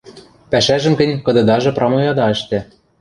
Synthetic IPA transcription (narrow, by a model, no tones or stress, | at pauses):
pæʃæʒɘ̆mkɘ̆nʲkɤ̆d̪ɤ̆d̪ɑʒɤ̆prʔɑmojɑd̪ɑɘ̆ʃt̪æ